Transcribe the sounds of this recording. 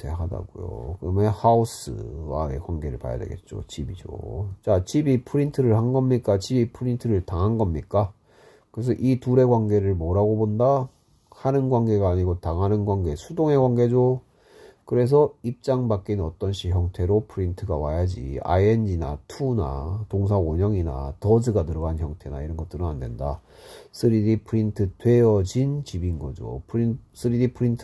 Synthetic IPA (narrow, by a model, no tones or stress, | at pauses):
tʰḛɦada̰ɡo̰jo̰kɯɾʌmehaus͈ʰɯ̰wa̰e̞̰kwanɡe̞ɾɯ̰ɭpa̰ja̰dwe̞̰ɡe̞̰t̚t͡ɕ͈o̰t͡ɕibid͡ʑo̰t͡ɕat͡ɕibipʰɯɾintʰɯɾɯɭhanɡʌmɲik͈at͡ɕibipʰɯɾintʰɯɾɯɭtaŋɦanɡʌmɲik͈a | kɯɾesʰʌʔituɾe̞ɡwaŋɡe̞ɾɯɭmoɾaɡobonda | hanɯnɡwaŋɡe̞ɡaːɲiɡotaŋɦanɯnɡwaŋɡe̞sʰudoŋe̞ɡwaŋɡe̞d͡ʑo | kɯɾe̞s̬ʰʌip̚t͡ɕ͈aŋbak͈inʌt͈ʌnɕʰiçjʌŋtʰe̞ɾopʰɯɾintʰɯɡa̰wa̰jad͡ʑḭa̰eɲina̰tʰuna̰toŋs̬ʰaoɲʌŋina̰tʌd͡ʑɯɡatɯɾʌɡançjʌŋtʰe̞na̰iɾʌnɡʌt͈ɯɾɯnandwenda̰ | s͈ʰɯɾidipʰɯɾintʰɯtwe̞jʌd͡ʑint͡ɕibinɡʌ̰d͡ʑo̰pʰs͈ʰɯɾidipʰɯɾintʰ